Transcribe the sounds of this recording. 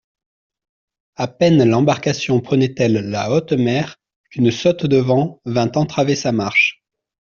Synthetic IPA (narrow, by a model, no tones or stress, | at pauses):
apɛnlɑ̃baʁkasjɔ̃pχənɛt̪ɛlːaot̪mɛʁ | kynsɔt̪d̪əvɑ̃vɛ̃t̪ɑ̃t̪χavesamaʁʃ